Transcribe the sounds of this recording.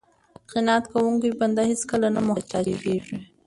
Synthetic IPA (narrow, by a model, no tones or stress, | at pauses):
qɪnat̪kawuŋkojband̪aheskəlanamʊt͡ʃɑeɡeʐi